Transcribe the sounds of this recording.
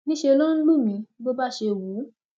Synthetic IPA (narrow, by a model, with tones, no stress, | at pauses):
nĩ˦ʃe˧lɔ˦n̩˦lu˦˨mĩ˧˦ɡ͡bo˧ba˦˨ʃe˧˨wu˨˦